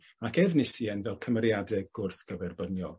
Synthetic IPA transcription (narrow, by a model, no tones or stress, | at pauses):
akʰɛvnɪsiɛnvɛlˠkʰəmərjadɛɡ̥ʊrθɡ̥əvɛrbənjɔlˠ